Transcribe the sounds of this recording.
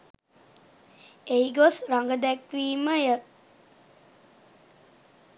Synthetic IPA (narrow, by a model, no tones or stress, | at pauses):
eiɡosɾaŋɡəd̪ɛkʋiːməjə